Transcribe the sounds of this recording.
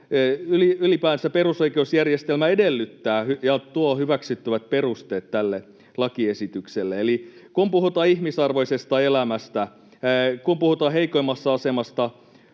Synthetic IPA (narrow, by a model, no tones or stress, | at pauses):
yliylipæːensæperusoikeusjærjest̪elmæedelːyt̪ːæːhyjɑt̪uohyʋæksyt̪ːyʋæt̪̚perust̪eːt̪tælːe | lɑkiesit̪ykselːeelikumpuhut̪ɑːihmisɑrʋoisest̪ɑelæmæst̪æ | kumpuhut̪ɑːɦeikoimːɑsːɑɑsemɑst̪ɑ